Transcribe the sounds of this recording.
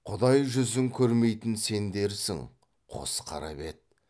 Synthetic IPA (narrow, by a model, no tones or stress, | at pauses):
qʰʊd̪ɑjʒʏzɪŋkʲʰɵɾme̞jt̪ɪnse̞nd̪e̞ɾsɪ̰ŋ | qʰo̰sqʰɑ̰ɾɑ̰be̞t̪̚